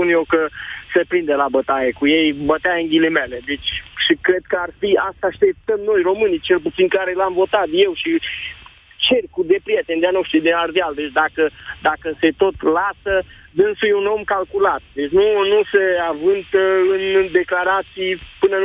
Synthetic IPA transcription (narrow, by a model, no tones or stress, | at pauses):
punjewkəsepɾind̪elabət̪ajekujejbət̪eaɨŋɡʲileme̞le̞d̪e̞t͡ʃʲʃikɾe̞d̪̚kəarfiast̪aːʃt̪e̞p̚t̪əmno̞jro̞mɨnit͡ʃe̞lput̪sinkaɾe̞lamvo̞t̪at̪je̞wʃi | t͡ʃe̞rʲkud̪e̞pɾijet̪end̪eanoʃt̪ɾid̪enard̪eald̪e̞t͡ʃʲd̪akəd̪akəse̞t̪o̞t̪lasə | d̪ɨnsujuno̞mkalkulat̪̚d̪et͡ʃʲnunuseavɨnt̪əɨnd̪e̞klaɾat̪sijpɨnə